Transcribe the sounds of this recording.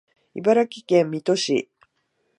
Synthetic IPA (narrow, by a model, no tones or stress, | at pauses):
ibaɾakʲi̥kẽmːʲit̪o̞ɕḭ